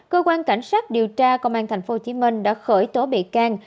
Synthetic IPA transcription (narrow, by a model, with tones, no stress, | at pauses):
kəː˧kwaː˧nka˧˩jŋ̟saː˦˥k̚ɗi˨˩əwt͡ɕaː˧kə˧wŋ͡mʔaː˧nt̪ʰa˨˩jŋ̟fo˨˦ht͡ɕi˨˦mï˧ŋ̟ɗa̰ː˧˥xəː˧˩jt̪o˨˦ɓḭ˧˨kaː˧ŋ